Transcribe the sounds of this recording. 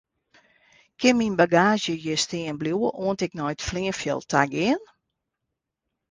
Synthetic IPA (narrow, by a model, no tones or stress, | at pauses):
kʰɪnminbaɡaːʒjəjəstɪənbljuəʔoəntɛk̚nɔjtfliənfjə̰lˠtʰa̰ɡɪən